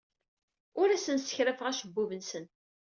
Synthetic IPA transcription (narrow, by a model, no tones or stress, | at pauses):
ʊɾæsənsə̥çɾæfəʁæʃəbːuvənsən